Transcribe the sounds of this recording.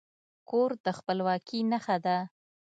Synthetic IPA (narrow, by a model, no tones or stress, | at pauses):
koɾd̪əxpəlwɑkʰinaxad̪a